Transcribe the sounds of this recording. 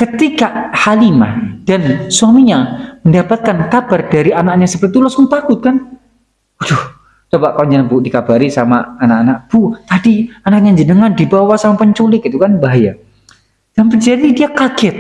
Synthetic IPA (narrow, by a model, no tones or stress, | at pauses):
kət̪ikahalima̰hd̥ansuamiɲaməndapat̪̚kankabardaɾianak̚ɲasəpərt̪it̪ulɔsmʊŋt̪akʊt̪̚kan | ɔdɔh | t͡ʃobaʔkalod͡ʒənəbuʔdikabaɾisamaːnakanak̚b̥ut̪adianak̚ɲad͡ʒənəŋandibawasamapəɲt͡ʃulɪkit̪ukanbaɦaja | d̥anpərd͡ʒadidiakaɡɛt̪̚